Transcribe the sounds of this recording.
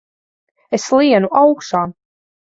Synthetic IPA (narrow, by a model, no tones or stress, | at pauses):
eslˠiɛnuʔawkʃaː